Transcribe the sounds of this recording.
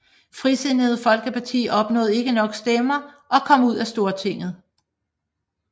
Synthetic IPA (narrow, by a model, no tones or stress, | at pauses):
fʁise̝nəð̞̩ˠfɒ̽lɡ̥əpʰɑ̈t͡sʰḭːɒ̽b̥nɔ̰̽ːð̩ˠe̝ɡ̥ənɒ̽ɡ̥sd̥emɐ | ʔɒ̽kʰɒ̽m̰uð̰ˠæsd̥o̝ːɐt͡sʰe̝ŋ̰ð̞̩ˠ